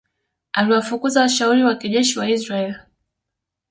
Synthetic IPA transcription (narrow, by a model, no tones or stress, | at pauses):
aliwafukuzawaʃauɾiwakiʄɛʃiwaisɾaɛl